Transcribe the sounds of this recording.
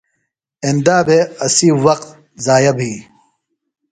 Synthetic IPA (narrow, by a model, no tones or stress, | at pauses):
end̪aːbeɐsiːwɐqt̪ | zaːjɐbʱiː